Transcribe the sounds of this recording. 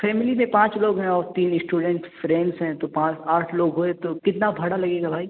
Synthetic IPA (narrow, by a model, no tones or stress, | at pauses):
fɛːmɪlimẽpãːt͡ʃloːɡɦɛ̃ɔːɾt̪iːnsʈuːɖɛ̃ɳʈfɾẽːɳɖsɦɛ̃t̪opãːt͡ʃaːʈʰloːɡɦoẽt̪okɪt̪nabʱɐɽalɐɡeːɡabʱaːi